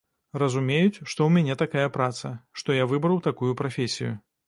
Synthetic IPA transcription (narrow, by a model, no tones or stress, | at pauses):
rɐzumʲejut͡sʲʂt̪ɔwmʲanʲɛt̪akajɐpɾat̪sɐʂt̪ɔjavɨbɾɐwt̪akujupɾafʲesʲijṵ